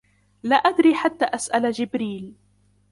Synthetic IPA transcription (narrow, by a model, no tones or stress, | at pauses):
laːʔad̪ɾiːħat̪ːaːʔasʔalad͡ʒɪbɾiːl